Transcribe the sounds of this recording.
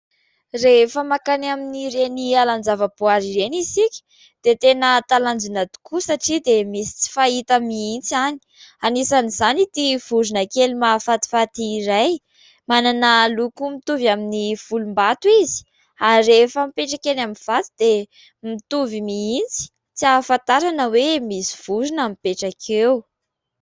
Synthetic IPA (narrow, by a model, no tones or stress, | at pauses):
refəmakanaminiɾenialand͡zavəbuaɾiɾenizikʲi̥ | d̪̥et̪enət̪aland͡zinad̪u̥kusaʈ͡ʂid̪emisi̥t͡si̥fait̪əmiint͡siani̥anisaniz̥anit̪iv̥uzunakelimafat̪i̥fat̪iɾaj | mananəlukumit̪uvaminifulumbat̪wizi̥ | aɾefəmipeʈ͡ʂakenaminv̥at̪id̪̥e | mit̪uvimiint͡si̥ | t͡siafant̪aɾanəwemisi̥v̥uzunamipeʈ͡ʂakʰew